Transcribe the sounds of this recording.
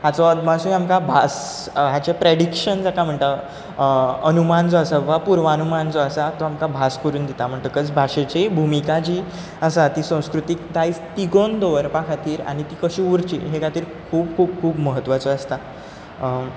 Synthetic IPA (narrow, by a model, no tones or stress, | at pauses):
ɦat͡sɔmasũamkabʱas | ɦat͡ɕapɾeɽikʂənd͡zakʰam̤əɳʈ̪a | ənumand͡zɔəsaʋapuɾʋanumand͡zɔəsat̪ɔamkabʱaskəɾuːnd̪it̪am̤əɳʈ̪t̪əkət͡sbʱaʂet͡ɕebʱumikat͡ɕiː | əsat̪isə̃w̃skɾut̪ik̚d̪ajst̪iɡond̪ɔʋəɾpakʰat̪iːɾa̰ɽ̃it̪iːkəɕiuɾt͡ɕḭːɦekat̪iːɾkʰuːbkʰuːb̚kʰuːbməɦət̪ːʋat͡sɔəst̪a